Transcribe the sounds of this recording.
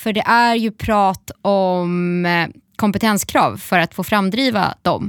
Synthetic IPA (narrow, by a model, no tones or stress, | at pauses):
fœɖɛʔæɾjɵpʰɾɑːt̪ɔm | kʰɔmpɛt̪ʰɛnskʰɾɑ̰ːvfœɾat̪foːfɾamd̪ɾiːva̰d̪̥ɔ̰m